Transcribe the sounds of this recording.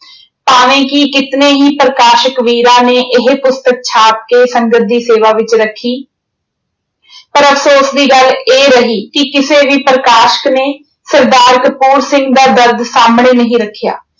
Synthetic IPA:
paːʋẽːkiːkɪt̪neːɦiːpɾəkaːʃəkʋiːɾãːneːʔɪɦpʊst̪ək̚t͡ʃʰaːp̚keːsəŋɡət̪̚d̪iːseːʋaːʋɪt͡ʃɾəkʰːiː | pəɾəfʰsoːsd̪iːɡəleːɾəɦiːkɪkɪseːʋiːpɾəkaːʃə̥kneː | səɾd̪aːɾkpuːɾsɪ̃ŋɡd̪aːd̪əɾd̪saːmɳeːnəɦĩːɾəkʰːja̰ː

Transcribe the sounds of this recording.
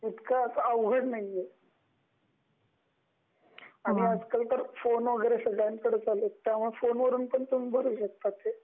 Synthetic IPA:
ut̪kaəsəəʋɡʱəɽnaije | aniəd͡zkəlt̪əɾfonʋəɡəjɾesəɡɭankəɽət͡salet̪aam̤əfonʋəɾuːnpəɳt̪unibʱəɾuːɕək̚t̪at̪e

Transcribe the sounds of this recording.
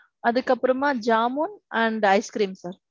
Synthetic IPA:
ɐðɯkːɐpːɯɾɐmaːd͡ʒaːmoːnɐɳɖɐɪskɾiːmsaːɾ

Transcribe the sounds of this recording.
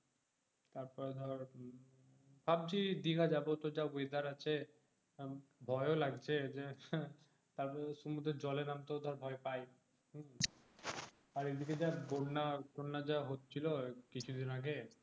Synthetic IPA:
t̪aɾpɔɾd̪ʱɔɾ | bʱab̚d͡ʑid̪ikad͡ʑabot̪od͡ʑaojd̪aɾat͡ɕʰe | bʱɔeolaɡt͡ɕʰed͡ʑe | t̪abʃumud̪ʱɾed͡ʑɔlenamt̪od̪ʱaɾbʱɔepaj | aɾed̪iked͡ʑabonnatonnad͡ʑaɦot̪ːt͡ɕʰilokit͡ɕʰud̪ʱinaɡe

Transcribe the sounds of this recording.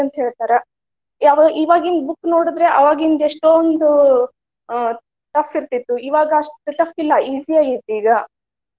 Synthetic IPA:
ɐnt̪ɐɦe̞ːɭt̪aːɾɐ | ɐʋɐʔiːʋaːɡind̪bukːnoːɽud̪ɾe̞ʔɐʋaːɡɐind̪eʂʈond̪u | t̪ɐfːiɾt̪it̪ːuiːʋaːɡɐʂʈʈːuʈ̪ɐfilːɐiːsijaːɡit̪ːuiːɡɐ

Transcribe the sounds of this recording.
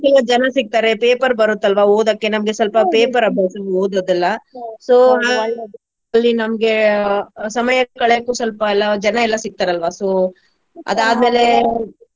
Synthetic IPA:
ɛlːɐd͡ʒɐnɐsik̚t̪aːɾe̞peːpɐɾbɐɾut̪ːɐlʋaːoːd̪ɐkːe̞nɐmɐɡesɐlpɐpeːpɐɾɐbʱjaːsɐʋioːd̪ɐd̪ɛlːɐsoːɦaː | ɐlːinɐmɡe̞ | sɐmɐjɐkːɐɭeɐkːuːsɐlpɐɛlːɐd͡ʒɐnɐɛlːɐsik̚t̪aːɾeɐlʋaːsoː | ɐ̰d̪aːd̪meːle̞

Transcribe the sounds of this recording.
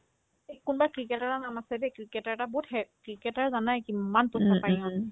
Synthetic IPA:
ekunbakɹikɛtaɹanamasɛdɛkɹikɛtaɹɛtabɔɦuthɛkɹikɛtaɹzanajkianpɔsapaias

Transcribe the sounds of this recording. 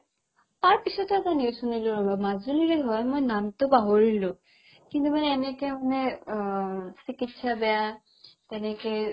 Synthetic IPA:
paɹpisɔtɔɛtanusuniloɹɔbamazuliɾeɦɔjmojnamtʊbaɦoɹilʊ | kint̪umanɛːnɛkemanɛ | sikitsabɛja | tɛnɛkɛ

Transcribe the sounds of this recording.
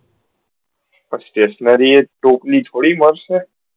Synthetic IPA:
pəsʈ̪esnəɾieʈoplit̪ʰoɽiməɾʃe

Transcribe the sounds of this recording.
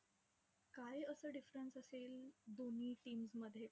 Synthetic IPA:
kaiəsəːɖifɾənsəseːld̪on̤iːʈiːmsməd̪ʱːje

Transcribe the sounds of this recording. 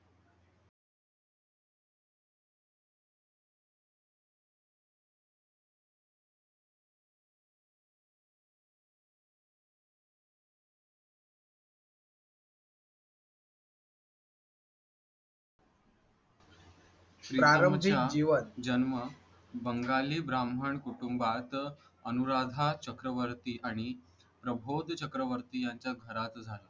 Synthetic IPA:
pɾiɾaɾəmt͡ɕiad͡ʑiʋənd͡ʑənmə | bəŋɡaliːbɾamʱəɳkuʈumbat̪ | ənuɾad̪ʱat͡ɕəkɾəʋəɾt̪iːʔaɽ̃i | pɾəbʱod̪ʱt͡ɕəkɾəʋəɾt̪iːjaɲt͡ɕjaɡʱəɾat̪d͡zʱalə

